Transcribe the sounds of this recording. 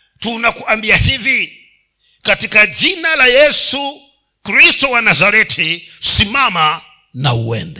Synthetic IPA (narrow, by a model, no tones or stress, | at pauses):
tunakuambiahivi | katikad͡ʒinalajɛsu | kɾistɔwanazaɾɛtʰisimama | nauwɛ̰ndɛ